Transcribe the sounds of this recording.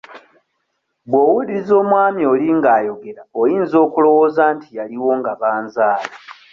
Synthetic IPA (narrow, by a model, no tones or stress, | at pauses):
bwo̞ːwuliɾizo̞ːmwaːmjo̞ːliŋɡaːjo̞ɡe̞ɾaojiːnzo̞ːkulo̞wo̞ːzaːntijaliwo̞ŋɡaβaːnzaːla